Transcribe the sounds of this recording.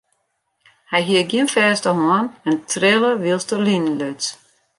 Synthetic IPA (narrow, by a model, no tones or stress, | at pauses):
hajɦiəɡjiənfɛːstəhɔənɛntʰrɪlˠəʋilˠstəlinløt